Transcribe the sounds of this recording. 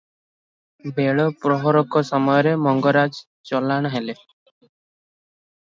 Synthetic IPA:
beɭɔpɾɔɦɔɾɔkɔsɔmɔjɔɾemɔŋɡɔɾad͡ʒ | t͡ʃɔlaɽ̃ɔɦele

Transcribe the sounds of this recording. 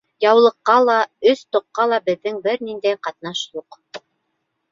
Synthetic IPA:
jɑwlˠɤ̆qːɑlˠɑɵst̪ŏqːɑlˠɑbɘ̆ðːɘŋbɘɾnind̪æjqɑt̪̚nɑʃlˠoq

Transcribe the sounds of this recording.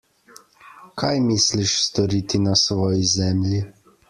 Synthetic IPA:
kʰajmisliʃst̪ɔɾiːt̪inasʋɔːjizɛmlʲji

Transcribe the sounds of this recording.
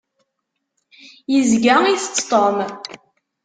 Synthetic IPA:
jəzɡæiθət͡sːt̪ˤom

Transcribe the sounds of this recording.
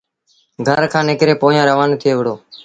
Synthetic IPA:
ɡʱəɾkʰãːnɪkɾeːpoːjãːɾəʋaːnːt̪ʰɪeːʋəɽoː

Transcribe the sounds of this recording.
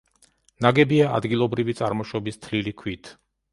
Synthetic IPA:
naɡɛbiaa̰d̪ɡilˠɔbɾivit̪sʼaɾmɔʃɔbist̪ʰlilikʰwit̪ʰ

